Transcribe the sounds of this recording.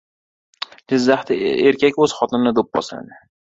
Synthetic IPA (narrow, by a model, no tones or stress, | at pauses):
d͡ʒɪzːaχt̪ɪeɾkʲakʲɵz̥χɒt̪ʰɪnɪnɪd̪op̚bɒ̰sla̰d̪ɪ